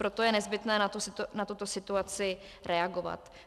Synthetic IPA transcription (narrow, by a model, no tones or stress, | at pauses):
pɾo̞t̪ojɛnɛzbɪt̪nɛːnat̪usnat̪ut̪o̞sɪt̪uat͡sɪ | ɾʔɛaɡo̞va̰t̪